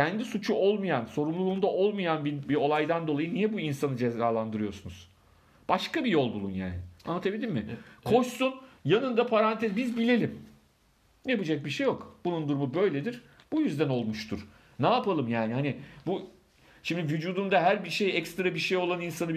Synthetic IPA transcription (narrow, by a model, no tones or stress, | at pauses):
cʰænd̪isut͡ʃʰuo̞lˠmajanso̞ɾumlˠuuːmd̪aʔo̞lˠmajanbibio̞lˠajd̪and̪o̞lˠajɯnijɛbuinsanɯd͡ʒezaːlˠand̪ɯɾɯjo̞sunuz̥ | b̥aʃkabijo̞lˠbulˠunja̰ːnɪat̪ʰabilʲimmɪkʰo̞ʃsunjanɯnd̪apʰaɾant̪ʰɛzbizbilʲe̞lʲim | japɯd͡ʒak̚biʃe̞jo̞kb̥unund̪uɾumubø̞jlʲed̪iɾ̥ | b̥ujyzd̪æno̞lˠmuʃt̪ʰuɾ̥ | naːpalˠɯmjaːniɦanɪbu | ʃimd̪ivyd͡ʒuːd̪umd̪aɦæɾbiɾʃe̞jɛkst̪ɾabiɾʃejo̞lˠaninsanɯ